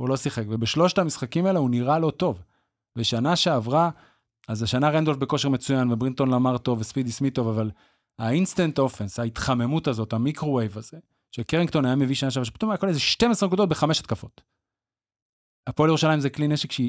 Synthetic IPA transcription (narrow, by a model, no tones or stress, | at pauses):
ulo̞siχekve̞beʃlo̞ʃtamisχakimaeleuniʁalo̞to̞v | beʃanaʃeavʁa | azaʃanaʁend̪o̞lfbeko̞ʃeme̞t͡sujanvebʁint̪o̞nlamaʁt̪o̞vespid̪ismit̪o̞vaval | ainst̪ant̪ofenshait̪χame̞mutazo̞t̪hamikʁowejvaze̞ | ʃekeʁiŋkt̪o̞najame̞viʃanaʃ̬avaʃepi̥tumajakolezeʃtemesʁenkud̪ot̪̚beχame̞ʃat̪kafo̞t | apoaljeʁuʃalajimzeklineʃekʃe